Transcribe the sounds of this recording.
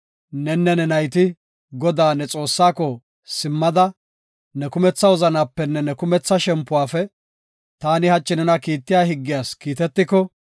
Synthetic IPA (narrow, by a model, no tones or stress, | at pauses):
nɛnːɛnɛnɐjt̪ɪ | ɡɔd̪aːnɛt͡sʼo̞ːsːaːkɔ | sɪmːɐd̪ɐ | nɛkʊmɛt͡sːɐwɔzɐnaːpːɛnːɛnɛkʊmɛt͡sːɐʃɛmpːʊwaːfɛ | t̪aːnɪhɐt͡ʃʼːɪnɛnɐkiːt̪ːɪjaːhɪɡːɪjaːskiːt̪ɛt̪ːɪkɔ